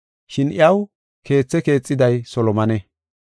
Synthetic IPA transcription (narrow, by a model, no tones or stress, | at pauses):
ʃɪnɪɐw | kʰe̞ːt͡sːɛke̞ːt͡sʼːɪd̪ɐjsɔlɔmɐnɛ